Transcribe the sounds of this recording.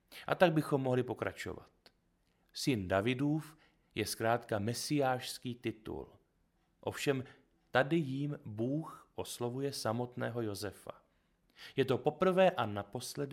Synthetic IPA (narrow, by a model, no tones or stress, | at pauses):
ʔa̰t̪aɡ̚bɪxo̞mːo̞ɦlɪpo̞kɾa̰t͡ʃo̞̰va̰t̪ | sɪndavɪduːf | jɛskɾaːt̪kamɛsɪjaːʃskiːt̪ɪt̪ṵl | ʔo̞fʃɛm | t̪adɪjiːmbuːxʔo̞slo̞vujɛsamo̞t̪nɛ̰ːɦo̞jo̞zɛfa̰ | jɛt̪o̞po̞pr̩vɛːʔanapo̞slɛd